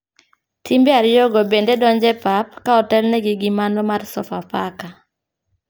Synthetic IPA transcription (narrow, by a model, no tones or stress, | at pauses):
tʰimbeaɾjɔɡɔbendedɔɲd͡ʒɛpapkaɔtɛlnɛɡɪɡimanɔmarsɔ̰fapaka